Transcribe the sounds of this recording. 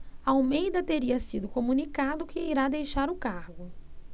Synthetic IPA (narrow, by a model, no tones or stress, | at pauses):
ɐawmejd̪ɐt̪eɾiɐsid̪ʊkomũnikad̪ʊkɪiɾad̪ejʃaɾʊkaɾɡʊ